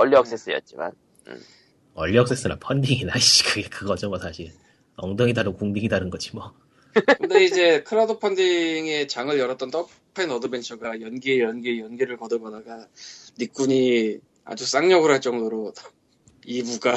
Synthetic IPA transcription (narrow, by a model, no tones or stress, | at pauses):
ʌʎːiʌk̚s͈es͈ɯjʌ̰t̚t͡ɕ͈ima̰n | ɯ̰ | ʌʎːiʌk̚s͈es͈ɯna̰pʰʌndiŋinaiɕ͈i̥kɯɡekɯɡʌd͡ʑʌmʌsʰaɕʰiɾ | ʌŋdɯŋidadokuŋdiŋidaɾɯnɡʌd͡ʑʰimʌ | kɯnde̞id͡ʑe̞kʰɯɾadopʰʌndiŋe̞t͡ɕaŋɯɭjʌɾʌt͈̚ʌnt͈ʌpʰainʌdɯbe̞nt͡ɕʰʌɡajʌnɡijʌnɡijʌnɡiɾɯɭkʌdɯbʌdaɡanik͈̚uɲi | a̰d͡ʑus͈aŋɲʌɡɯɾɦaɭt͡ɕ͈ʌŋdoɾo | ibuɡa